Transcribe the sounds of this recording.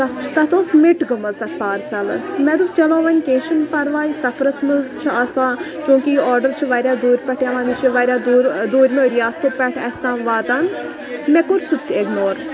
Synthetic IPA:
t̪ɐt͡ʃʰt̪ɐt̪oːsmiʈɡəmɐzt̪ɐt̪̚ʰpaːɾsɐlɐ̰smɛd̪ut͡ʃɐlõːʋɐnʲkẽːʃənpɐɾʋaːjisɐpʰɾɐsmɐzt͡ʃʰiasãːt͡ʃõːkiɔːɾɖəɾt͡ʃʰuʋaːɾʲjaːd̪oːɾʲpʲɛʈʰjaːʋãːnd̪it͡ʃʰiʋaːɾʲaːd̪oːɾd̪oːɾʲmeoɾijaːst̪oːpʲɛʈʰɛst̪ãːʋaːt̪an | mɛkoɾʲsut̪ʰʲeɡnoːɾ

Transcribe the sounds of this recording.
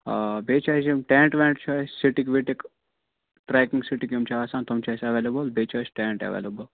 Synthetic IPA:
beːt͡ʃʰasimʈɛ̃ːɳʈʋɛ̃ːɳʈt͡ʃʰasiʈikʋiʈek | ʈɾɛkĩŋɡsiʈikjumt͡ʃʰaːsaːnt̪omt͡ʃasɐʋeːlebəlbeːt͡ʃʰasʈɛ̃ːɳʈɐ̰ʋḛːlebəl

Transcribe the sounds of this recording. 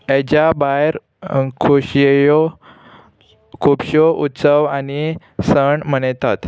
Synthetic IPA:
ed͡ʑabajɾ | kʰuɕjo | kʰupɕoʔut̪səʋani | səɳm̤əɽ̃et̪at̪

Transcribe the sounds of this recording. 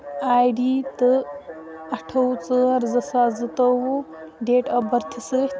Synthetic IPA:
aːjɖiːt̪ɨ | ɐʈʰɐwt͡səːɾzɐsaːd͡zɨt̪ɐwu | ɖeːʈɐbɐɾt̪ʰisəːt̪

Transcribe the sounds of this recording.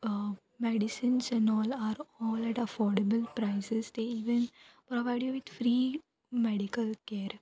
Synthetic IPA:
mɛɖɪsɪ̃nsɛ̃ɳɔːlaːɾɔːlæʈɐfɔːɾɖəbəlpɾaɪsɪsd̪eːiːʋə̃npɾɔʋaɪɖjuʋɪd̪fɾiː | mɛɖɪkəlkeːɾ

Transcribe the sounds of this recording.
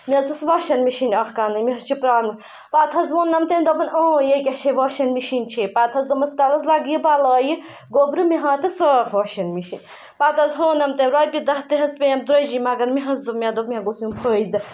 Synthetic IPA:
mʲɐzɨsʋɐːʃɐnmiʃinʲɐxkanɨmiɦɐst͡ʃʰipɾaːnmɨ | paːt̪ʰɐzʋonːɐmt̪enʲd̪ɔbʰɐnõːjekʲɐʃʰeʋɐːʃɐnmiʃinʲt͡ʃʰeːpaːt̪ʰɐzd̪omɐnst̪ɐlɐzlaɡjibalɐːji | ɡoːbɾɨmiɦãːt̪ɨsəːɾʋɐːʃɐnmiʃinʲ | paːt̪ʰɐzɦoːnɐmt̪eɾoːjpʲid̪ɐht̪ɨɦɐspʲejɐmd̪ɾɐd͡ʒimɐɡɐnmiɦɐzd̪ɨmʲad̪obmʲaɡosjũmpʰəːid̪ɨ

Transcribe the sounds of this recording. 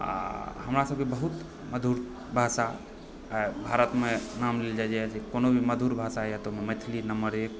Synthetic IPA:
a̰həmɾasəb̚kebəɦut̪ | məd̪ʱuɾ | bʱasa | bʱaɾət̪menamleld͡ʒad͡ʒat͡ʃʰikonobʱiməd̪ʱuɾbʱasajat̪omemet̪ʰlinəməɾek̚

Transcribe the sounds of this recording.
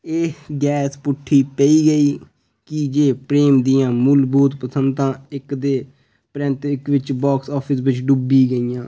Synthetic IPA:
eːɡɛːspʊʈʰːiːpəiːɡəiː | kɪd͡ʒeːpɾeːmd̪ɪjãːmʊlbuːt̪pəsənd̪ãːɪkd̪eː | pɾɪ̃nt̪ɪkʋɪt͡ʃbɔːksɔːpʰɪsʋɪt͡ʃɖubiːɡəiːjãː

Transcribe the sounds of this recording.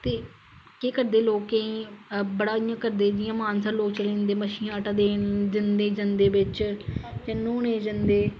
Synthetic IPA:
t̪eː | keːkəɾd̪eːloːkeĩːbəɽaːɪjãːkəɾd̪eːd̪ɪjãːmaːnsəɾloːkt͡ʃəlẽːnd̪eːməʃiːãːʈad̪eːd͡ʒɪnd̪eːd͡ʒənd̪eːʋɪt͡ʃjenõːneːd͡ʒənd̪eː

